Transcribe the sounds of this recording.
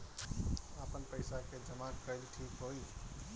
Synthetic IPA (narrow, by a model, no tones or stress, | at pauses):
apənpəjsaked͡ʒəmakəjlʈʰikɦoj